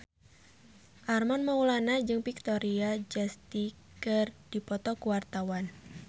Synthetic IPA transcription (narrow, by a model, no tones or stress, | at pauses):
ʔarmanmaulanad͡ʒɨŋpik̚t̪ɔɾiad͡ʒast̪i | kərd̥ipɔt̪ɔkuwart̪awan